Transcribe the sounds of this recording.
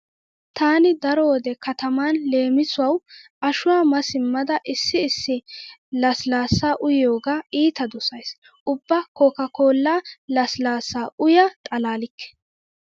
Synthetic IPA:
t̪aːnɪd̪ɐɾɔwɔd̪ɛkɐt̪ɐmaːnle̞ːmɪsʊwɐwʔɐʃʊwaːmɐsɪmːɐd̪ɐʔɪsːɪːsːɪlɐslaːsːaːʔʊjjo̞ːɡaːiːt̪ɐd̪ʊsɐjs | ʔʊbːɐkoːkɐko̞ːlːaːlɐslaːsːaːʔʊjat̪ʼɐlaːlɪkːɛ̥

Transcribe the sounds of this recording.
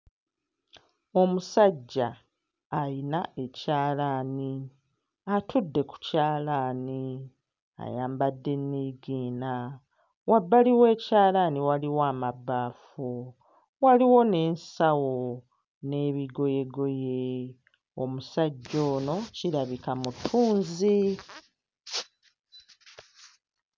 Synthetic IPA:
o̞musaɟːaː | jinae̞caːlaːni | atudːe̞ku̥caːlani | a̰jaːmbadːe̞nːiːɡiːna | wabːaliwe̞ːcaːlaniwaliwaːmabːaːfu | waliwo̞ne̞ːnsawo̞ | ne̞ːβiɡo̞je̞ɡo̞je̞ | o̰musaɟːo̞ːno̞ciɾaβikamutʰːuːnzi

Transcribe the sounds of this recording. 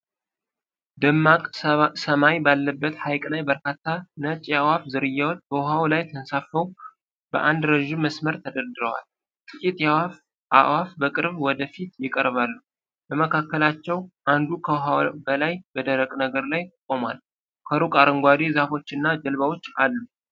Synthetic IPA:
d̪əmːakʼsəmajbalːəbːət̪hajkʼlajbəɾkat̪ʰːanət͡ʃʼjawafzɨɾɨjːawb̥əɦawlajt̪ʰənsafəw | b̥ə̰ʔand̪ɾəʒɪmmːəsməɾt̪ʰəd̪əɾd̪ɨɾəwa̰l | t̪ʼɨkʼit̪ʼjawaf | ʔa̰ʔwafbəkʼɨɾβwɔd̪əfit̪jɪkʼəɾβalːu | bəməkʰakːəlat͡ʃːɛwʔand̪ukʰəɦawbəlajb̥əd̪əɾəkʼnəɡəɾlajt̪ʼəkʼomal | kʰəɾukʼaɾəŋɡʷad̪ezafo̞t͡ʃːɨnːad͡ʒəlβawo̞t͡ʃːalːu

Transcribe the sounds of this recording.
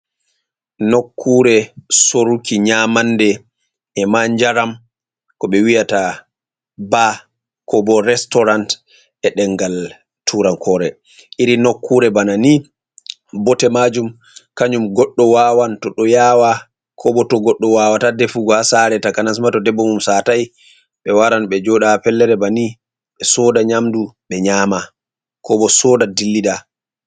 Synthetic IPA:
nokʰːuɾɛsoɾukiɲamandɛ | ɛmaɲd͡ʒaɾam | kɔɓɛwijata | ba | kʰɔbɔɾɛstɔɾant | ɛɗɛŋɡal | tʰuɾankʰɔɾɛ | ʔiɾinokʰːuɾɛbanani | bɔtɛmad͡ʒum | kaɲumɡɔɗːɔwawantɔɗɔjaːwa | kʰɔbɔtɔɡɔɗːɔwawatadɛfuɡɔhasaɾɛtakanas̬matɔdɛbːɔmumsataj | ɓɛwaɾanɓɛd͡ʒɔɗapɛlːɛɾɛbani | ɓɛsɔːdaɲamduɓɛɲaːma | kɔbɔsɔːdadilːida

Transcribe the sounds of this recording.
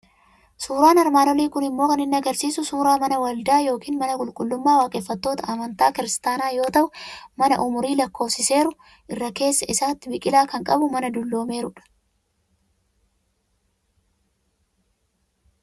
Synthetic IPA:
suːɾaːnɐɾmaːnɔliːkʊnɪmːo̞ːkɐnɪnːɐɡɐɾsiːsʊsuːɾaːmɐnɐwɐld̪aːjo̞ːkiːnmɐnɐkʼʊlkʼʊlːʊmːaːwaːkʼɛfːɐt̪ːo̞ːt̪ɐʔɐmɐnt̪aːkɪɾɪst̪aːnaːjo̞ːt̪ɐʔʊmɐnɐ̰ʔʊmʊɾiːlɐkːo̞ːsɪse̞ːɾʊ | ʔɪrːɐke̞ːsːɐʔɪsaːt̪ːɪbɪkʼɪlaːkɐŋkʼɐbʊmɐnɐd̪ʊlːo̞ːme̞ːɾʊᶑɐ̥

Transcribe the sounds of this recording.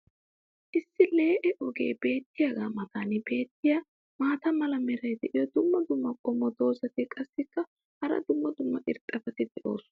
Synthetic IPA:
ʔɪsːɪle̞ːʔɛʔɔɡe̞̰ːbe̞ːt̪ːɪjaɡaːmɐt̪aːnɪbe̞ːt̪ːɪja | maːt̪ɐmɐlɐmɛɾɐjd̪ɛʔɪjɔd̪ʊmːɐd̪ʊmːɐkʼɔmːɔd̪o̞ːsɐt̪ɪkʼɐsːɪkːɐ | hɐɾɐ̰d̪ʊmːɐd̪ʊmːɐʔɪɾt̪ʼːɐfɐt̪ɪd̪ɛʔo̞ːsʊ

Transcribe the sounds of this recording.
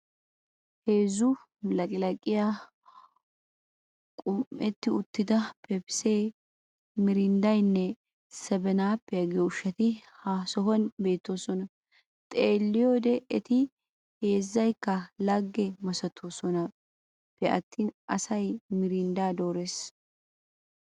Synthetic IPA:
he̞ːzʊ | lɐkʼɪlɐkʼɪja | kʼʊmʔɛt̪ːɪʊt̪ːɪd̪ɐpɛpɪ̥seː | mɪɾɪnd̪ɐjnːɛ | sɛbɛnaːpːɛjɐɡʊʃɐt̪ɪhaːsɔɦɔnbe̞ːt̪ːo̞ːsɔnɐ | t̪ʼeːlːɪjod̪ɛɛt̪ɪ | he̞ːzːɐjkːɐlɐɡːɛmɐsɐt̪ʰːoːsɔnɐ | pːɛʔɐ̰t̪ːiːnɐsɐjmɪɾɪnd̪aːd̪o̞ːɾes

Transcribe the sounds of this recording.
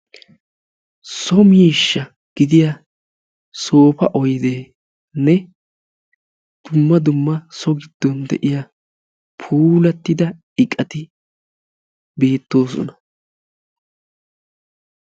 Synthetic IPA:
sɔmiːʃːɐ | ɡ̥ɪd̪ɪjɐ | so̞ːpɐʔɔjd̪e̞ː | nɛ | d̪̥ʊmːɐd̪ʊmːɐsɔɡɪd̪̥ːɔnd̪ɛ̰ʔɪja | pʰuːlɐt̪ːɪd̪ɐ | ɪkʼːɐt̪ɪ | beːt̪ːo̞ːs̬ɔ̰nɐ̥

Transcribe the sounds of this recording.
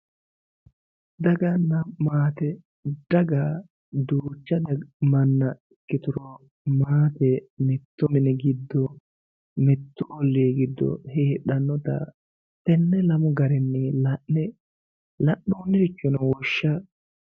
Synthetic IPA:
d̪ɐɡɐnːɐmaːt̪ɛ | d̪̥ɐɡa | d̪uːt͡ʃːɐd̪ɐmɐnːɐɪkːɪt̪ʊɾɔ | maːt̪ɛmɛt̪ːʊmɪnɛɡɪd̪ːɔ | mɛt̪ːʊʔɔlːeːɡɪd̪ːɔ̰heːɗɐnːɔt̪ɐ̰ | tɛnːɛlɐmʊɡɐɾɛnːelɐɛ | lɐʔːuːnːɪɾɪt͡ʃːɔnɐwɔʃːɐ

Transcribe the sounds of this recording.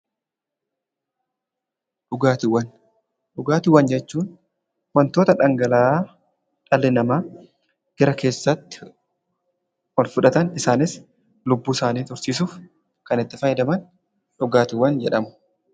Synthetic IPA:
ᶑʊɡaːt̪ɪwɐn | ᶑʊɡaːt̪ɪwːɐnd͡ʒɛt͡ʃːuːn | wɐnt̪o̞ːt̪ɐᶑɐŋɡɐlaː | ᶑʼɐlːɪnɐmaː | ɡ̥ɐɾɐkʰe̞ːsːɐt̪ːɪ̥ | wɐlfʊᶑɐt̪ɐnɪsaːnɪs | lʊbːuːsaːniːt̪ʊɾsiːs̬uːf | kɐnɪt̪ːɪfɐjɛd̪ɐmɐn | ᶑʊɡaːt̪ɪwːɐnd͡ʒɛᶑɐmʊ̥

